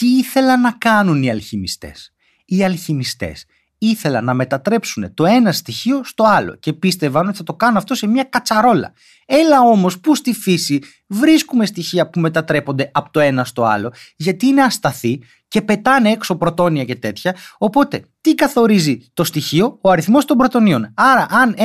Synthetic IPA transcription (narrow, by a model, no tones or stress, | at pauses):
t̪iiθe̞lɐnːɐkɐnuniɐlçimist̪e̞̰s | iɐlçimist̪e̞̰s | iθe̞lɐnːɐme̞t̪ɐt̪ɾe̞psune̞t̪o̞e̞nɐst̪içio̞st̪o̞ɐlo̞̰ce̞pist̪e̞vɐnot̪iθɐt̪o̞kɐnunɐft̪o̞se̞mɲɐkɐt͡sɐɾo̞lɐ̰ | e̞lɐo̞mo̞spust̪ifisi | vɾiskume̞st̪içiɐpume̞t̪ɐt̪ɾepo̞nd̪e̞ʔɐpo̥t̪o̞e̞nɐst̪o̞ɐ̰lo̞ʝɐt̪iineɐst̪ɐθi | ce̞pe̞t̪ɐneekso̞pɾo̞t̪o̞niɐce̞t̪e̞t̪çɐo̞po̞t̪e̞t̪ikɐθo̞ɾizit̪o̞st̪içio̞ːɐɾiθmo̞st̪o̞mbɾo̞t̪o̞nio̞nɐɾɐʔɐn